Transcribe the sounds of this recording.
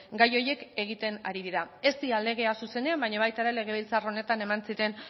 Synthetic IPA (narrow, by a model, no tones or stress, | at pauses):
ɡajo̞je̞ke̞ɣ̞it̪e̞na̰ɾiðiɾae̞st̪iale̞ɣ̞e̞asuse̞ne̞ambaɲaβajt̪aɾele̞ɣ̞e̞β̞ilt͡saro̞ne̞t̪ane̞mansiɾe̞n